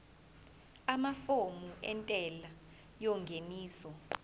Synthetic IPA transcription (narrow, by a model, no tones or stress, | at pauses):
amafomuʔɛntʼɛla | jɔŋɡʱeniːsɔ